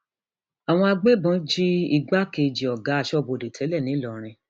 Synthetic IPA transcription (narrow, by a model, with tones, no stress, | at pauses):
a˨w̃ɔ̃˧a˧ɡ͡be˦bɔ̃˨˦d͡ʒi˦i˧ɡ͡ba˦ke˧d͡ʒi˨ɔ˨ɡa˨˦a˦˨ʃɔ˦˨bo˧˨de˨tʰɛ˨˦lɛ˦˨nĩ˨˦lɔ˨ɾ̃ĩ˧